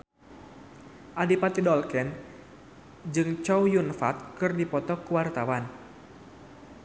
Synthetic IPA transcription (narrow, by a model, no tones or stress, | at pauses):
ʔadipat̪idɔlkɛn | d͡ʒɨŋt͡ʃɔwjunfa̰t̪̚kɨrdipɔt̪ɔkuwart̪awan